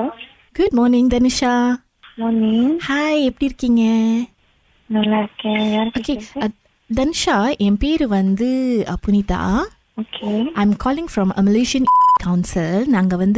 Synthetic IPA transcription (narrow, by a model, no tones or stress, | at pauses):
ɡ̥ʊɖ̚mɔːɾnɪ̃ŋd̪ɐnɪʃa | mɔːnɪ̃ŋhaɪɛpːɐɽiɾɯkːiŋɡɐ | nɐlaɾkejaɾoːke | d̪ɐnɪʃaʔɛ̃mpeːɾɯʋɐnd̪ɯpʊnit̪a̰ | okʰeʔãɪ̃mkʰɔːlɪ̃ŋfɾɔ̃mə̰mɪleːʃiɐ̃nkaʊ̃nsɪlnaːŋɡɐʋɐnd̪